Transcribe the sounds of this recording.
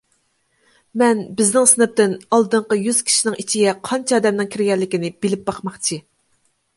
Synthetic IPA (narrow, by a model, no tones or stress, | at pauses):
mɛnbɪznɪŋsɨnɨp̚t̪ɪnɑlˠd̪ɨɴqəjyz̥kʲʰi̥ʃinɪŋit͡ʃʰiɡʲɛqʰɑnt͡ʃʰɑːd̪ɛmnɪŋkʲʰiɾɡʲɛlːɪkʲinɪb̥ɪlɪp̚bɑχmɑχt͡ʃʰi